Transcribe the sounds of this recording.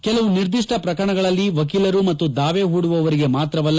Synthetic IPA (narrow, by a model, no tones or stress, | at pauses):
kɛlɐʋuniɾd̪iʂʈɐpɾɐkɐɐɳɐɡɐɭɐlːiʋɐk̬iːlɐɾumɐt̪ːud̪aːʋeɦuːɽuʋɐʋɐɾiɡe̞maːt̪ɾɐʋɐlː